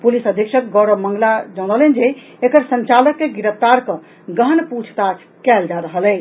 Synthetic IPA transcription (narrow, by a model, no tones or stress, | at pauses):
pulisəd̪ʱikʃək̚ɡɔɽəmə̃ŋɡlad͡ʒəñəlɛnd͡ʒeː | kəɾsənt͡ʃaləkːeɡiɾəpt̪aɾkə̃ | ɡəɦnput͡ʃʰt̪at͡ʃʰkɛld͡ʒaɾəɦəlɛ